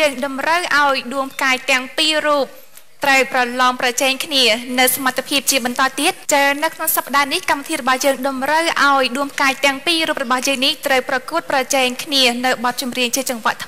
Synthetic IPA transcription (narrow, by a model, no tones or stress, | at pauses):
əːŋɗɑmrəwʔaɔjɗuəmpʰkaːc̚t̪ɛ̆əŋpiːruːp̚ | t̪rəwprɑlɑːmprɑt͡ɕɛːŋkʰniənɨwsamat̪ʰːepʰiəp̚t͡ɕiəɓɑnt̪ɑːt̪iət̪̚t͡ɕanɨwkʰnoŋsapːə̆ɗaːnihkamʋit̪ʰiːɾɔɓɑhjəːŋɗɑmrəwʔaɔjɗuəmpʰkaːɛc̚t̪ɛ̆əŋpiːruːp̚rɔɓɑhjəːŋniht̪rəwprɑkuət̪̚prɑt͡ɕɛːŋkʰniənɨwɓɑt̪̚t͡ɕumriəŋt͡ɕiət͡ɕɑŋʋə̆əʔt̪ʰ